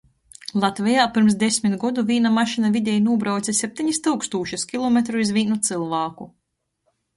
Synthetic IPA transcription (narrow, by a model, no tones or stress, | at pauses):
lˠat̪vʲɛjaːpiɾms̬d̪esʲmit̪ɡɔd̪uvʲiːnamaʃinavid̪ʲɛjnuɔbɾawt̪sisʲɛp̚ʲt̪ʲiɲist̪ɨwkst̪uːʃuskʲilˠɔmet̪ɾuizvʲiːnut̪sɨlˠvaːku